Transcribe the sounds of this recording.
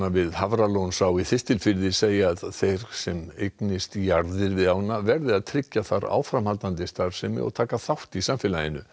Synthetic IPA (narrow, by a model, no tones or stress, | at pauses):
avɪðhavɾalownsaːwiθɪst̪ɪlfɪɾðɪseːjaðθejɾ̥sɛmejknɪst̪jaɾðɪɾvɪðaːwnavɛɾðɪaðt̪ʰɾɪcːaθaɾa̰ːwfɾamhalt̪ant̪ɪst̪aɾ̥sɛmɪ̰ɔ̰ðt̪ʰaːkaθawht̪isaːmfɪlajɪ̰nːʏ